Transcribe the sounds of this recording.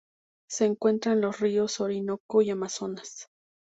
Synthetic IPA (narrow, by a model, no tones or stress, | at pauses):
seːŋkwent̪ɾanlosriosoɾinokoiamasonas